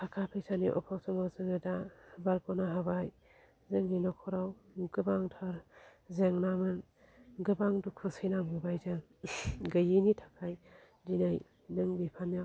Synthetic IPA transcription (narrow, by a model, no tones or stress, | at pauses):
pʰakʰapʰesʰaniʔɔ̰pʰawsɔmazɯŋɯdabaɾkɔnaɦabaj | zeŋːinɔkʰɔɾawɡɯbaŋtʰaɾzeŋnamɯn | ɡɯbaŋdukʰɯsɯjnamɡɯbajzaŋ | ɡɐjinitʰakʰaj | dinaj | nɯŋbipʰanja